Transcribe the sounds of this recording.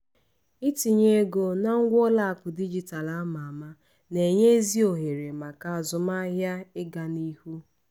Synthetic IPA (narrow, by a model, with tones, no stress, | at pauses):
i˦ti˨ɲe˦ɡo˨na˦ŋ̩˦ɡʷɔ˦la˦a˨kʷʊ˨di˦d͡ʒi˨ta˨la˦ma˨a˨ma˦ | ne˨ɲe˦zi˦o˨ɦe˨ɾe˨ma˨ka˨a˨zʊ˨ma˦ɦja˦ɪ˦ɡa˨ni˦hu˦